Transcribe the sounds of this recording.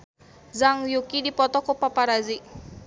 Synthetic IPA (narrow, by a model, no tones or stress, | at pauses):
zaŋjukidipɔt̪ɔkɔpapaɾazi